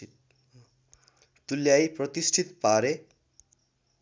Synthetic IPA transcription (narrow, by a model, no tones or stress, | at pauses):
t̪uljajpɾot̪isʈʰit̪paɾe